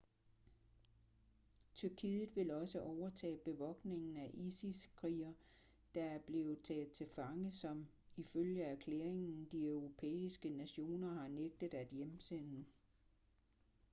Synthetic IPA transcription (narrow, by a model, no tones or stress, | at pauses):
t͡sʰyɐkʰiːðˠð̩ˠʋe̝lɒ̽səʔɒʊɐt͡sʰɛ̰ːb̥e̝ʋɒ̽ɡ̥ne̝ŋn̩æʔisiskʰʁḭːɐ | d̥ɑ̈æɐb̥le̝ːʊð̩ˠt͡sʰɛ̰ːð̩ˠt͡sʰe̝lfɑ̈ŋəsɒ̽m | iføljəæɐkʰleɐeŋn̩d̥iœʊʁo̝pʰḛːisɡ̥ənæɕo̝̰ːnɐhɑ̈neɡ̥̚d̥ð̩ˠæd̥jemsen̰nə